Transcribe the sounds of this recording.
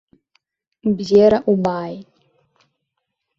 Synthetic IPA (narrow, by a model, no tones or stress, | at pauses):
bzeːɾaʔubaːjtʼ